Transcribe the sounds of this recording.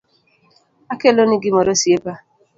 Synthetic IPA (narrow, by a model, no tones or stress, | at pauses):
akeloniɡɪmɔɾosiepa